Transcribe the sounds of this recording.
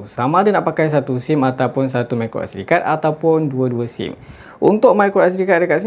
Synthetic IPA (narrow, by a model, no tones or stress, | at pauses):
samãdənaʔpakajs̬at̪usimat̪awpʊnsat̪umajkɾo̰ʔa̰sɾikat̪̚at̪awpʊnduaduasḭm | ʔṵnt̪ʊʔ̚majkɾoasɾikat̪̚dəkat̪̚si